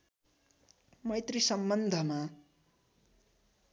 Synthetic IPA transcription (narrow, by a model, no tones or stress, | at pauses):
mʌjt̪risʌmbʌnd̪ʱʌma